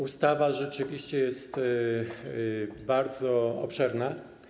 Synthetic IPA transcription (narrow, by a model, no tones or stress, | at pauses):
ust̪avaʐɛt͡ʂɘvʲiɕt͡ɕɛjɛst̪ | baɾd̪zɔɔ̰pʂɛɾna